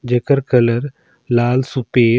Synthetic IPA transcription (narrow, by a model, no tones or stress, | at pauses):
d͡ʒəkəɾkələɾ | laːlsupeː